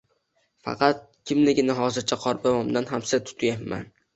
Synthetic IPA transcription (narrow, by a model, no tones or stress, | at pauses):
fɑ̰qʰɑt̪̚kʲʰɪmlɪɡʲɪnaɦɒzɪɾt͡ʃʰaqʰɒɾbamɒmd̪anɦamsɪt̪ʰʊ̥t̪ʰjapma̰n